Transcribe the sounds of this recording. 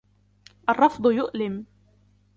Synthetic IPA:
ʔɑrˤːɑfd̪ˤjʊʔlɪm

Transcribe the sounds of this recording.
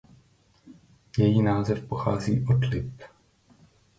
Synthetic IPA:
jɛjiːnaːzɛfpoxaːziːʔot̪lɪp

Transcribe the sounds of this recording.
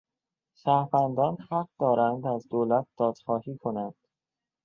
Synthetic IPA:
sæhfænd̪ɒːnhæɢ̚d̪ɒːɾænd̪æzd̪oːlæt̪̚d̪̥ɒːd̪̥xɒːhiːkʰo̞nænd̪̥

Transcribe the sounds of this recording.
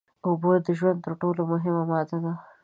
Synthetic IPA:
obod̪əʒwand̪t̪əɾʈolomʊɦɪmamɑd̪ad̪a

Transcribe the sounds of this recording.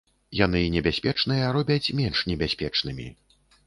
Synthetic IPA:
jan̪ɨnʲɛbʲasʲpʲɛt͡ʂnɨjɐɾɔbʲɐt͡sʲmʲɛnʂnʲɛbʲasʲpʲɛt͡ʂn̪ɨmʲḭ

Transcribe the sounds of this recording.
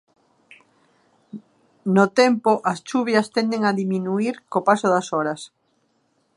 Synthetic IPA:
not̪ɛmpoʔɐst͡ʃuβjɐst̪ɛnd̪eŋaðimĩnuiɾkopasoðɐsɔɾɐs

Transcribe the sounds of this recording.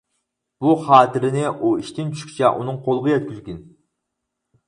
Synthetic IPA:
b̥uχɑːt̪ʰɪɾɪnɪʔuiʃt̪ɪnt͡ʃʰy̥ʃkʲi̥t͡ʃʰɛʔṵnɨŋqʰolˠʁɑjɛt̪̚kʲyzɡʲin

